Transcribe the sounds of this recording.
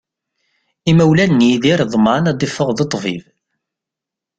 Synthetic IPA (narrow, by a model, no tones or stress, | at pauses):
imæwlænːiðiɾðˤmanæd̪ˤifːəʁðet̪ˤːviv